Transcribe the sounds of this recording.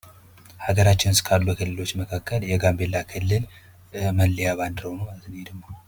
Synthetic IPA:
haɡəɾat͡ʃːɪnskʰalːukʰɨlːɨlo̞t͡ʃːməkʰakʰːəljɛɡambe̞lːakʰɨlːɨl | məlːjaβand̪ɾəwnəazɨned̪əmːa

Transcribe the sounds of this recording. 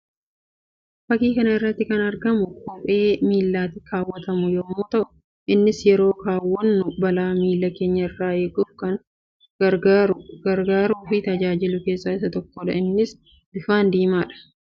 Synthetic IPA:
fɐkiːkɐnɐɪrːɐt̪ːɪkɐnɐɾɡɐmʊkɔpʼe̞ːmiːlːaːt̪ɪkʰaːwːɐt̪ɐmʊjɔmːuːt̪ɐʔʊ̥ | ʔɪnːɪsjɛɾo̞ːkaːwːɐnːʊbɐlaːmiːlːɐke̞ːɲːɐɪrːaːeːkʊːfkɐŋ | ɐaɐɾɡaːɾuːfɪt̪ɐd͡ʒaːd͡ʒɪlʊke̞ːsːaːɪsɐt̪ɔkːɔᶑɐ̰ɪnːɪs | bɪfaːnd̪iːmaːᶑɐ̥

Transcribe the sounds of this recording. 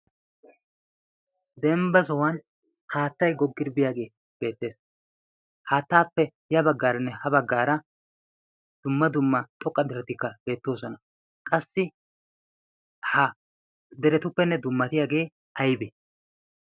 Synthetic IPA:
d̪ɛmbɐs̬ɔwɐn | haːt̪ːɐjɡɔɡːɪɾbɪjaːɡe̞ː | b̥e̞ːt̪ːe̞ːs | haːt̪ːaːpːɛ | jɐbɐɡːaːɾɐnːɛhɐbɐɡːaːɾɐ | d̪̥ʊmːɐd̪ʊmːɐt̪ʼɔkʼːɐd̪ɛɾɛt̪ɪkːɐb̥e̞ːt̪ːo̞ːsɔnɐ | kʼɐsːɪ | hɐ | d̪ɛɾɛt̪ʊpːɛnːɛd̪ʊmːɐt̪ɪjaːɡe̞ː | ɐjbɛ

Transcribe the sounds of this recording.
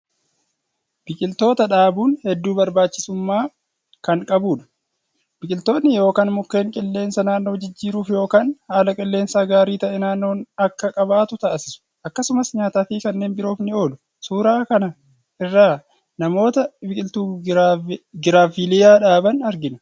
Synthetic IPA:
b̥ɪkʼɪlt̪o̞ːt̪ɐᶑaːbuːnhɛd̪ːuːbɐɾbaːt͡ʃːɪsʊmːaː | kɐŋkʼɐbuːᶑɐ̥ | b̥ɪkʼɪlt̪o̞ːnːɪjo̞ːkaːnmʊkːe̞ːŋkʼɪlːe̞ːnsɐnaːnːo̞ːd͡ʒɪd͡ʒːiːɾuːfjo̞ːkaːnhaːlɐkʼɪlːe̞ːnsaːɡaːɾiːt̪ɐʔɛnaːnːo̞ːnɐkːɐkʼɐbaːt̪ʊt̪aːsɪsʊ̥ʔɐkːɐsʊmɐsɲaːt̪aːfiːkɐnːe̞ːnbɪɾo̞ːfnɪo̞ːlʊ | suːɾaːkɐnɐ | ʔɪrːaː | nɐmo̞ːt̪ɐbɪkʼɪlt̪uː | ɡɪɾaːfilɪjaːᶑaːbɐnɐɾɡɪnɐ̥

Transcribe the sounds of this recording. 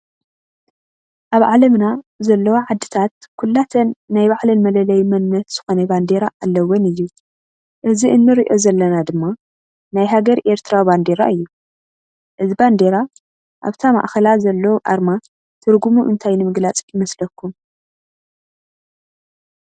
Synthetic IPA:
ʔaβʕalɐmnazɐlːɐwoʕad̪ːɨ̥t̪ʰat̪kʰulːat̪ʰɐnːajbaʕlɐnmɐlɐlɐjmɐnnɐt̪z̥ɨxo̞nɐband̪eɾaʔalːɐwɔnɨjːu | ʔɨziʔɨnːɨɾiʔo̞zɐlːɐnad̪ɨmːa | najɦaɡɐɾʔe̞ɾt̪ʰɾaband̪e̞ɾa̰ɨjːu | ʔɨziband̪e̞ɾa | ʔa̰βt̪ʰama̰ʔxɐlazɐlːɐwʔa̰ɾma | t̪ʰɨɾɡumuʔɨ̰nt̪ʰajnɨmɨɡlat͡sʼjɪmɐslɐkːum

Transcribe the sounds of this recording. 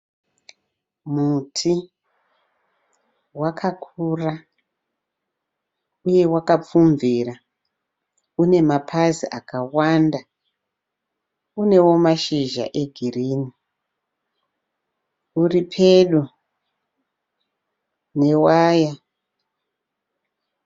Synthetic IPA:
mutʰi | wakʰakʰura | uje̞wakap͡fuɱvira | une̞mapʰaziʔakawanda | une̞wo̞maʃiʒa̰ʔe̞ɡʱiriːni | uripʰeɗu | ne̞waːja

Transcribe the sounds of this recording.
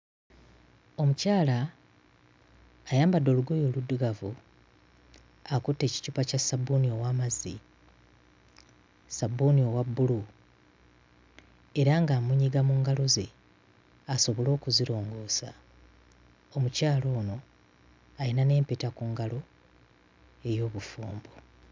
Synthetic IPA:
o̞mucaːla | jaːmbadːo̞ːluɡo̞jo̞ːludːuɡavu | akutːe̞ːci̥cupacasabunio̞waːmazḭ | sabunio̞wabːulu | eɾaŋɡaːmuɲiɡamuŋɡaloze̞ | aso̞βo̞lo̞ːkuziɾo̞ːŋɡo̞ːsa̰ | omucaːlo̞ːno̞ | ajinane̞ːmpetakuːŋɡalo̞ | e̞jo̞ːβufṵːmbo

